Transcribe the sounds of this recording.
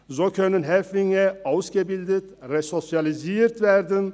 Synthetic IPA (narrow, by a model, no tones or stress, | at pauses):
sokʰønːənɦɛfɪŋəɑwsɡəbild̪ət̪ɾɛsɔsjɑlɪziːɾt̪væɾd̪ən